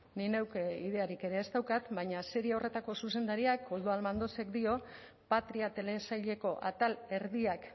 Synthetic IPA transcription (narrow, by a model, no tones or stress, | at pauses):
nine̞wkeiðe̞aɾike̞ɾe̞ːzt̪awkat̪bajɲase̞ɾiaorʔe̞t̪ako̞suse̞nd̪aɾiakold̪ualmand̪o̞se̞kd̪io̞ | pat̪ɾiat̪e̞le̞sajʎe̞ko̞ʔa̰t̪ale̞ɾðiak